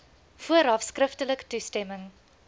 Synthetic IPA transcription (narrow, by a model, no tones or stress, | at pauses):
fuəɾɑfskrəftələktustɛməŋ